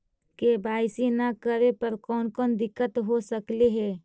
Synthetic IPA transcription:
kebʱaːɪsinakəɾepəɾkɔːnkɔːnd̪ɪkːət̪ɦosəkleɦɛː

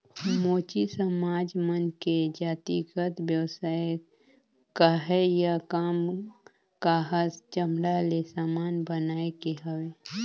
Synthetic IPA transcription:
moːt͡ʃisəmaːd͡ʒmənked͡ʒaːt̪iɡət̪bjəwsaːe | kaɦɛjakaːm | kaɦəst͡ʃəmɾalesaːmaːnbənaːekeɦəwe

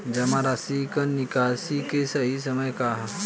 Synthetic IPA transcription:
d͡ʒɐmaɾasikɐnikaːsikesɐɦis̬ɐməjkaɦ

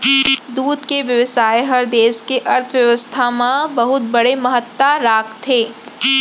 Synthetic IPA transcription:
d̪uːd̪keʋjɐʋɪsaːeɦɐɾd̪eːskeʔɐɾt̪ʰʋjɐʋəst̪ʰamãbɐɦʊt̪̚bɐɽemɐɦət̪ːwaɾaːkt̪ʰːeː

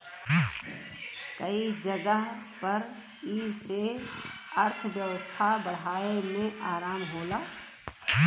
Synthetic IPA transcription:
kəid͡ʒəɡəɦpəɾ | iːse | ɐɾt̪ʰbjəʋəst̪ʰabəɽ̤aːemẽʔaːɾaːmɦoːlaː

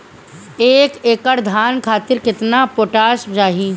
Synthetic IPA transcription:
eːkeːkəɽd̪ʱaːnkʰaːt̪ɪɾkɪt̪napoːʈaːʃd͡ʒaːɦi

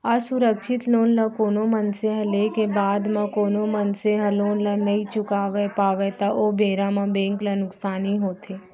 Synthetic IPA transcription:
asʊɾəkʃʰɪt̪loːnlãkoːnomənseɦɐlekebaːd̪mãkoːnomənseɦɐloːnlə̃nɐɦĩt͡ʃʊkaːʋepaːʋet̪aʔoːbeːɾãmãbẽːŋklɐnʊksaːniɦoːt̪ʰeː

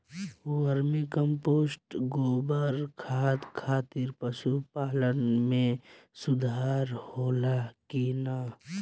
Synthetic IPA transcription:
wəɾmĩkəmpoːsʈɡoːbəɾkʰaːt̪kʰaːt̪ɪɾpəʃupaːlənmẽsʊd̪ʱaːɾhoːlakiːnaː

